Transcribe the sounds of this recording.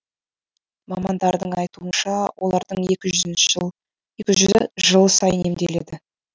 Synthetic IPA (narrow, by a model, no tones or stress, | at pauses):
mɑmɑnd̪ɑɾd̪əɴɑjt̪uənʃɑwʔo̞lˠɑɾd̪əɴe̞kʲɪʒʏɪnʃ | ekʲɪʒʏzʒəlˠsɑjəne̞md̪e̞le̞̰d̪ɪ